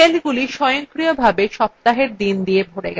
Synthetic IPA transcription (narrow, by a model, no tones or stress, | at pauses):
elɡuliʃɔjoŋkɾijobʱabeʃɔp̚t̪aɦeɾd̪ind̪ijebʱoɽḛɡ